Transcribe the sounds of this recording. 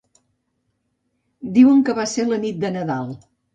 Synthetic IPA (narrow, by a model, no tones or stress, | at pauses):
d̪iwəŋkəβaselənit̪̚d̪ənəðalˠ